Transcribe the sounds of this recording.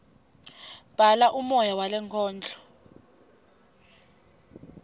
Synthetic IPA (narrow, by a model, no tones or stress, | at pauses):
b̥ʱalaʔumɔjawalɛŋkʰɔːnd͡ɮʱɔ̥